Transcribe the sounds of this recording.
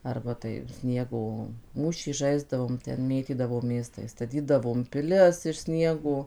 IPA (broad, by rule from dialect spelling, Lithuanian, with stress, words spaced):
ˈɐrbɐ tɐɪ ˈsʲnʲiɛɡoː ˈmuːʃʲiː ˈʒɐɪzdɐʋoːm ˈtʲɛn ˈmʲeːtʲiːdɐʋoːmʲeːs tɐɪ stɐˈtʲiːdɐʋoːm pʲɪˈlʲɪs ɪʃ ˈsʲnʲiɛɡoː